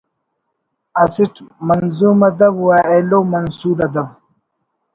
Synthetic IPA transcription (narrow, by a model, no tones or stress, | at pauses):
ɐsiʈmɐnzuːmɐd̪ɐbwaːeloːmɐnsuːɾɐd̪ɐb